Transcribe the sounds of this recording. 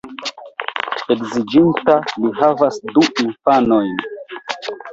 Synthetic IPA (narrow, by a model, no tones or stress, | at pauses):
e̞kzid͡ʒintalihavasduʔinfanojn